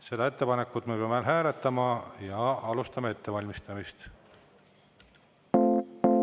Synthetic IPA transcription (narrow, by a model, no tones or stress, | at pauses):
se̞d̪ɑe̞t̪ːe̞pɑne̞kːˑut̪mepeɑmelɦæːɾet̪ːˑɑmɑjɑɑlust̪ɑmɑe̞t̪ːe̞vɑlʲmist̪ɑmist̪